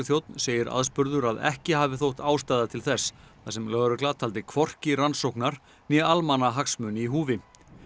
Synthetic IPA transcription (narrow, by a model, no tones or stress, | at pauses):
θjowt̪nseːjɪɾa̰ðspʏɾðʏɾaðɛ̰hcɪɦaːvɪθowht̪aːwst̪ajðat̪ʰɪlθɛsːθasɛmlœɣɾʏklat̪ʰalt̪ɪkʰvɔr̥cɪransowknaɾ̥ | njɛalmanaɦaksmʏːnɪiɦuːvɪ